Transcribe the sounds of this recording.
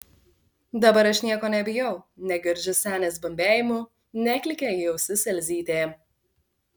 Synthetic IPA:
d̪ɐbɐɾɐʃnʲiɛkoːnʲɛbʲɪjɛʊnʲɛɡʲɪɾʲd͡ʒʲʊsʲæːnʲeːsbɐmʲbʲæːjɪmʊ | nʲɛkʲlʲɪkʲejɛʊsʲɪsʲɛlʲzʲiːt̪ʲeː

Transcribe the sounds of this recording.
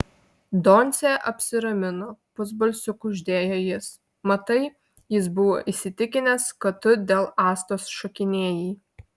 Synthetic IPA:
d̪onʲt̪sʲeːʔɐpʲsʲɪɾɐmʲɪnoːpʊz̬bɐlʲsʲʊkʊʒʲd̪ʲeːjoːjɪs | mɐt̪ɐɪ | jɪs̬bʊʋoːʔisʲɪt̪ʲɪkʲɪnʲɛskɐtt̪ːʊd̪ʲeːlˠɑːst̪oːsʃɔkʲɪnʲeːjiː

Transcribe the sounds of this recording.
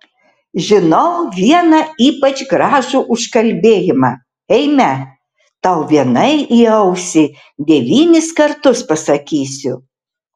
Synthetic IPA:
ʒʲɪnɐʊʋʲiɛnɐiːpɐt͡ʃɡɾɑːʒuːʔʊʃkɐlʲbʲeːjɪmɑː | ɛɪmʲɛ | t̪ɐʊʋʲiɛnɐɪiːɐʊsʲɪ | d̪ʲɛʋʲiːnʲɪskɐɾt̪ʊspɐsɐkʲiːsʲʊ

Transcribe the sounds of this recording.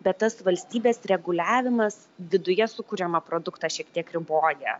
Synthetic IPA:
bʲɛt̪tːɐsʋɐlʲsʲt̪ʲiːbʲeːsɾʲɛɡʊlʲæːʋʲɪmɐs | ʋʲɪd̪ʊjɛsʊkʊɾʲɛmɐpɾoːd̪ʊkt̪ɑːʃʲiɛkt̪ʲiɛkɾʲɪboːjɛ

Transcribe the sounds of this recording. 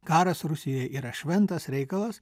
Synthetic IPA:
kɑːɾɐsɾʊsʲɪjɛʔiːɾɐʃʲʋʲɛnt̪ɐsɾʲɛɪkɐlˠɐs

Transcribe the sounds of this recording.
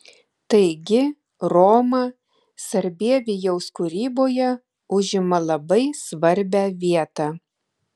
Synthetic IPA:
t̪ɐɪɡʲɪ | ɾoːmɐ | sɐɾʲbʲiɛʋʲɪjɛʊskʊɾʲiːboːjɛ | ʊʒʲɪmɐlˠɐbɐɪsʋɐɾʲbʲæːʋʲiɛt̪ɑː

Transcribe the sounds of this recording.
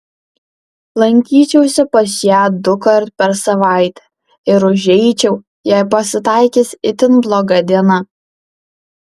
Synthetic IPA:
lˠɐŋʲkʲiːt͡ʃʲɛʊsʲɛpɐsjæːd̪ʊkɐɾt̪pʲɛɾsɐʋɑˑɪt̪ʲɛ | ɪɾʊʒʲɛɪt͡ʃʲɛʊ | jæɪpɐsʲɪt̪ɑˑɪkʲisʲɪt̪ʲɪnblˠoːɡɐd̪ʲiɛnɐ

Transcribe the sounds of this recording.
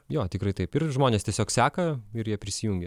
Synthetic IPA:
joːt̪ʲɪkɾɐɪt̪ɐɪpɪrʒmoːnʲeːst̪ʲiɛsʲoːksʲæːkɐɪɾjiɛpʲɾʲɪsʲɪjuŋʲɡʲɛ

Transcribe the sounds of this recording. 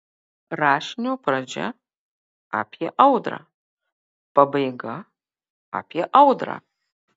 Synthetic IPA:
raːʂnʲowpʰrɐd͡ʒɐ̰ | a̰pʰjɛʔawdra̰ | pɐbɐjɡɐ | a̰pʰjɛʔawdra̰

